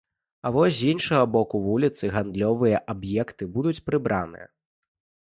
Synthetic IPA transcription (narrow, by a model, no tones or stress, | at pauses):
ɐvɔsʲzʲinʂɐɣɐbɔkuvulʲit̪sɨɣand̪lʲɔvɨjɐʔabjɛkt̪ɨbud̪ut͡sʲpɾɨbɾa̰nɨ̰jɐ̰